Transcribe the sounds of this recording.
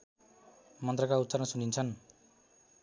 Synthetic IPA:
mʌnt̪rʌkaut̪ːsʌɾʌnsunint͡sʰʌn

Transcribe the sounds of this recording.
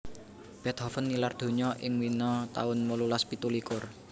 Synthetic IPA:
b̥ɛ̤t̪hɔfənːilard̪̥o̤ɲɔʔɪŋwinɔt̪a̰ʊnmolulaspit̪ulikʊr

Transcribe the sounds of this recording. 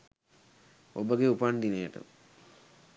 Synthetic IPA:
obəɡeupand̪inejəʈə̰

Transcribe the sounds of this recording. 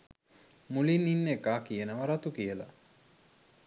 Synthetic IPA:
mulinːinːekaːkijənəʋɐɾat̪ukijəla̰

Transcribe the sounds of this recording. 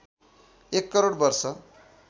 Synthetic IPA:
ekːʌɾoɽbʌrsʌ

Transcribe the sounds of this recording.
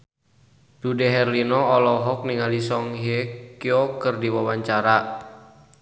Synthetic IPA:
d̥udeɦɛrlinɔːlɔɦɔk̚niŋalisɔŋɦekiɔkərdiwawaɲt͡ʃaɾa

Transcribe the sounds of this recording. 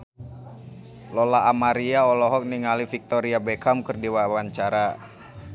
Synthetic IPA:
lɔlaːmaɾiaɔlɔɦɔk̚niŋalifik̚t̪ɔɾiabɛkamkərdiwawaɲt͡ʃaɾa

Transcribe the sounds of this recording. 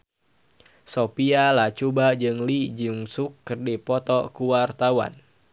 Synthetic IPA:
sopialat͡ʃubad͡ʒɨŋlid͡ʒɨŋsukːɨrdipɔt̪ɔkuwart̪awa̰n

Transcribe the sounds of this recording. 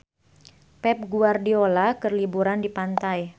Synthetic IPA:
pɛp̚ɡuardiolakərlibuɾandipant̪aj

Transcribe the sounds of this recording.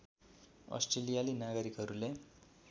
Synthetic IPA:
ʌ̰sʈrelijalinaɡʌɾikɦʌɾule

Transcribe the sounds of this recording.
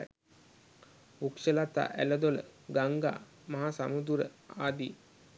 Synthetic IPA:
ukʂəlat̪a̰ːʔæləd̪olə̰ɡaŋɡa̰ː | maɦasamud̪uɾəaːd̪iː

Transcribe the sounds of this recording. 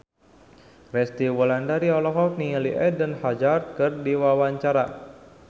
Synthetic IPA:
rɛst̪iwɔlandaɾiɔlɔɦɔt̪niŋəliʔɛdənhad͡ʒart̪̚kɨrdiwawaɲt͡ʃaɾa̰

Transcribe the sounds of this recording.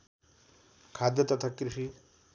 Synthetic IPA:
kʰad̪jɐt̪ɐt̪ʰakɾiʂi

